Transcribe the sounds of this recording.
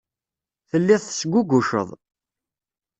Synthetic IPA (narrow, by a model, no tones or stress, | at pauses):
θəlːɪðˤθə̥sɡʷːuɡʷuʃə̰ðˤ